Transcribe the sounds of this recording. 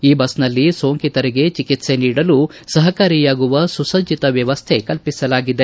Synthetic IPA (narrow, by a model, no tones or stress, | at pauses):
iːbɐsnɐlːiso̞ːŋkit̪ɐɾiɡe̞t͡ʃikit̪se̞niːɽɐlusɐɦɐkaːɾijaːɡuʋɐsusɐd͡ʒit̪ɐʋjɐʋɐst̪ʰe̞kɐlpisɐlaːɡid̪e̞